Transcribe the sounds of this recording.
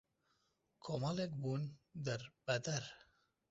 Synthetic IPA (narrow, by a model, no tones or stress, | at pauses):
kʰomɑlek̚buːnd̪ɛɾb̥ɐd̪ɐɾ